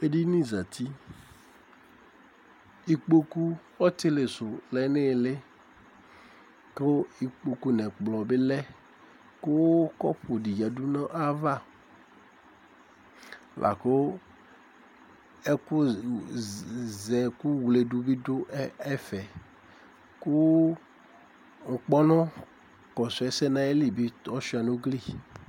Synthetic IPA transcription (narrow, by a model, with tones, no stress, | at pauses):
e˦ɖi˦nĩ˦za˨t̪i˦ | i˦k͡po˦ku˦wɔ˦t̪e˦le˨so˨lɛ˨ne˦˨le˦ | ke˦wo˦i˦k͡po˦ku˦nɛ̃˨k͡plɔ˨be˦lɛ˦ | ko˦wkɔ̰˦ɸo˨ɖi˨ja˨du˦nã˦ʔa˦va˦ | lʔa̰˨ke˦wo˦ | e˦ku˦ | zɛ˨ku˦wle˨du˨bi˦do˦e˦fɛ˨ | ku˦ | ŋ̩˨k͡pɔ˦nɔ̃˦ | kɔ˨sɔ˨ɛ˦sɛ˦nã˦e˦li˨bi˦t̪ɔ˦ʃi˦˨a˨nõ˦ɡli˦